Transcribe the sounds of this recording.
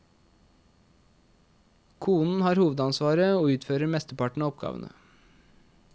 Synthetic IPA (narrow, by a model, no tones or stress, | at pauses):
kʰuːnn̩hɑːɾhuːʋəd̪ɑnsʋɑːɾəoːʉːt̪føːɾəɾmɛst̪əpɑʈɳ̩ɑːɔp̚ɡɑ̰ːʋə̰nə̰